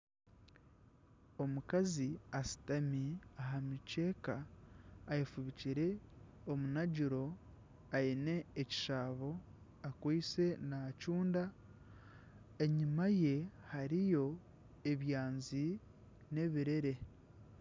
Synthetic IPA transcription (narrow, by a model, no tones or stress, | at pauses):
o̞mukaziasi̥tamiaɦamit͡ʃe̞ːkaː | jefuβiciɾe̞ | omunaɟiɾo̞ | aine̞ːci̥ʃaːβo̞ | akwiːse̞nacuːnda | e̞ɲimaje̞haɾijo̞ | e̞βjaːnzi | ne̞βiɾe̞ɾe̞